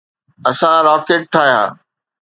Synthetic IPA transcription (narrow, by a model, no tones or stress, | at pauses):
ɐsãɾɔːkeːʈ̚t̪ʰaːjã̰ː